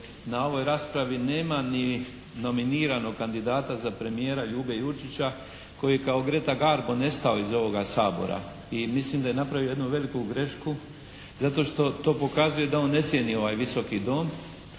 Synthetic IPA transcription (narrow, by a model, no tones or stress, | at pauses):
nao̞ʋo̞jɾaːspɾaʋine̞ːmani | no̞miniːɾano̞ɡkand̪id̪aːt̪azapɾe̞mije̞ːɾaʎuːbejut͡ʃit͡ɕa | ko̞jijekaoɡɾe̞t̪aɡaɾbo̞ne̞st̪ao̞izo̞ʋo̞ɡasaːbo̞̰ɾa̰ | imislimd̪ajenapɾaʋioje̞d̪nuʋe̞likuɡɾe̞ʃku | zat̪o̞ːʃt̪o̞t̪o̞ːpo̞kazuje̞d̪ao̞nːe̞t̪sjenio̞ʋaːjʋiso̞kid̪o̞ːm